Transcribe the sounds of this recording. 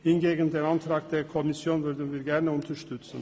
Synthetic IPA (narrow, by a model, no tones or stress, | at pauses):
hɪnɡeːɡənd̪eːnɑnt̪ʰɾɑːɡ̚d̪̥eːkʰɔmɪsjoːnʋʉɾd̪ənʋɪːɾɡæɾnəʊnt̪ʰəʃtʏt̪sən̩